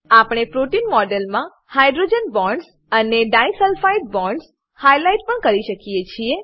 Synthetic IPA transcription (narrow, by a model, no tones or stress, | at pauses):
apɳ̃epɾoʈinmɔɖelmã | hajɖɾod͡ʒənbɔ̃ɳɖs | əneɖajsəlfaiʈ̚bɔ̃ɳɖs | hajlajʈ̚pəɳkəɾiʃəkijet͡ʃʰie